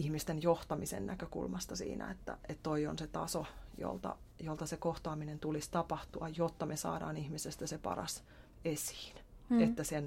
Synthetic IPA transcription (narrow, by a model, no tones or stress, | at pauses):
ihmist̪enjoht̪ɑmisḛnnækøkṵlmɑst̪ɑsḭːnæ̰et̪ːæ̰et̪t̪oio̰nset̪ɑ̰sojo̰lt̪ɑ̰ | jolt̪ɑsekoht̪ɑːminent̪ulist̪ɑpɑht̪uɑjjot̪ːɑmesɑ̰ːdɑ̰ːnihmisest̪æsepɑ̰rɑ̰s | esi̥ːnet̪ːæsen